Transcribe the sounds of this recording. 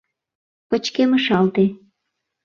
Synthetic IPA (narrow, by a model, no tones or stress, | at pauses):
pə̆t͡ɕkeməʃɑlt̪e